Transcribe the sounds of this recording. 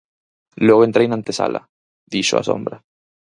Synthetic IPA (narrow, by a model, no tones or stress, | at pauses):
lweɣoent̪ɾejnãnt̪esa̰lʔa̰ | ðiʃoa̰sõ̞̰mbɾa